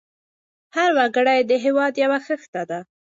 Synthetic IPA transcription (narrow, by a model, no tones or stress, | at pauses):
haɾwaɡəɽajd̪əɦewɑd̪jawaxəxt̪ad̪a